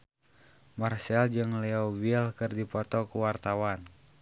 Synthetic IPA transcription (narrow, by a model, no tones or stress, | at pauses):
marsɛld͡ʒəŋlɛɔbiɛlkərdipɔt̪ɔkuwart̪awan